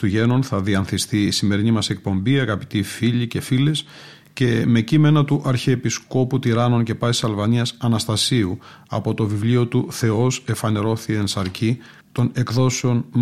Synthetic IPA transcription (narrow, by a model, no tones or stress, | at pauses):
t̪uʝe̞nonθɐðiɐnθist̪iːsime̞ɾinimɐse̞k̚po̞mbiɐɣɐpi̥t̪ifiʎice̞file̞s | ce̞me̞cime̞nɐt̪uʔɐɾçeːpisko̞put̪iɾɐno̞nce̞pɐssɐlvɐniɐsɐnɐst̪ɐsiuɐ̰po̞t̪o̞vivlio̞t̪uθe̞o̞se̞fɐne̞ɾo̞θiensɐɾci | t̪o̞ne̞kðo̞seo̞n